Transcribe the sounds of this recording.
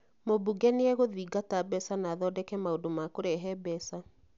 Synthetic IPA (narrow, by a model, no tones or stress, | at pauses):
mobuɡɛneɛɣoðiːɡatabɛsanaːðɔdɛkɛmaodomakoɾɛɦɛbɛsa